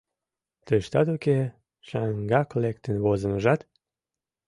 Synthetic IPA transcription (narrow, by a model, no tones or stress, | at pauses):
t̪əʃt̪ɑt̪oke | ʃɑŋɡɑklek̚t̪ənβozə̆məʒɑt̪